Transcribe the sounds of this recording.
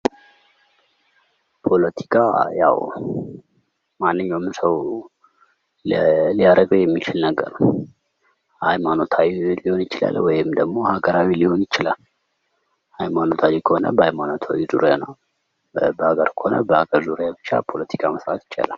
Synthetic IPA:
pʰo̞lət̪ʰi̥kʰaja̰w | manːɨɲːawmsəw | lijaɾəɡəwjɛmːit͡ʃɪlnəɡːə̰ɾnəw | ajmano̞t̪ʰawliho̞njɪt͡ʃɪla̰lwɔjɪmd̪əɡmo̞haɡəɾawiliho̞njɪt͡ʃːɪlal | ajmano̞t̪ʰawikʰəhonə̰bəajmano̞t̪ʰawizuɾja̰nəw | bəhaɡəɾkʰə̥ho̞nə̰bəhaɡəɾzuɾjabɨt͡ʃːa̰pʰo̞lət̪ʰi̥kʰaməsɾat̪jɪ̥t͡ʃʼːa̰lal

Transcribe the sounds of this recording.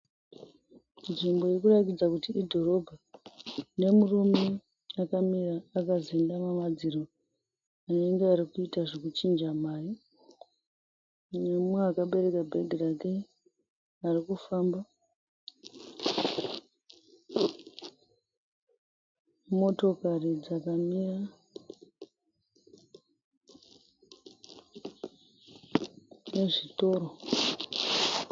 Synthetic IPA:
nʐimbo̞irkuratid͡zakutiidʱo̞ɾo̞bʱa | ne̞murume | akamiɾaːkazendamamad͡ziɾo̞ | ane̞ŋɡeaɾikuitaʐekut͡ʃind͡ʒamaːi | nemweakaɓe̞ɾe̞kabʱeɡʱirake | arikufamba | mo̞to̞karid͡zakamira | ne̞ʐito̞ɾo

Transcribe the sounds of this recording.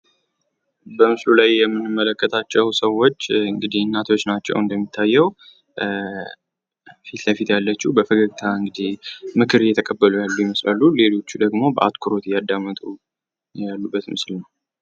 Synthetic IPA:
bəmɨslulajːɛmːɨnːɨmːələkːət̪ʰat͡ʃːɛwsəwːot͡ʃːɨŋɡɨd̪ihnːat̪ʰo̞t͡ʃːnat͡ʃːɛ̰wɨnd̪əmːit̪ʰːajːɛw | fit̪ləfit̪jalːət͡ʃːubəfəɡəɡt̪ʰaɨŋɡɨd̪ihmɨkʰɨɾjɛt̪ʰəkʼəbːəlujalːujɛməslalːule̞lo̞t͡ʃːud̪əɡmo̞bəʔa̰t̪kʰuɾo̞t̪jad̪ːamːət̪ʼu | jalːubːət̪mɨslnəw

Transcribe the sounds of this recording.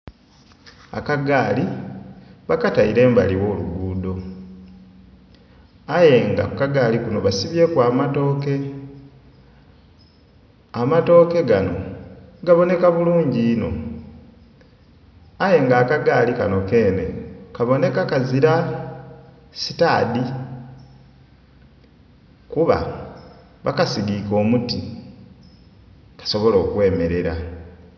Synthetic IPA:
a̰kaɡaːli | βakataiɾe̞ːmba̰liwo̞ːlṵɡuːdo̞ | aje̞ŋɡa̰kukaɡaːlikuno̞βasiβje̞kwaːmato̞ːke̞ | amato̞ːke̞ɡano̞̰ɡaβo̞ne̞kaβuluːɲɟiːno̞̰ | aje̞ŋɡaːkaɡaːlika̰no̞ke̞ːnḛkaβo̞ne̞kakaziɾa | si̥taːdi | kuβa̰ | βakasidiko̞ːmuti | kḁso̞βo̞lo̞ːkwe̞ːme̞ɾe̞ɾa̰

